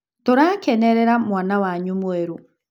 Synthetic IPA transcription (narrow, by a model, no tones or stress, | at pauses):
toɾakɛnɛɾɛɾamwanawaɲumoeɾo